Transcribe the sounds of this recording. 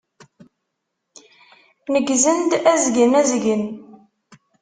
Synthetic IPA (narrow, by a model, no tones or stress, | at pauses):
nəɡzənd̪æzɡənæzɡən